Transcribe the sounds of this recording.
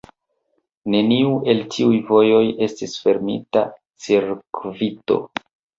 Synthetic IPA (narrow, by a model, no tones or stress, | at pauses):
ne̞niuʔe̞ltʰiujvo̞jo̞je̞stisfe̞ɾmḭta | t͡siɾkvito̞̰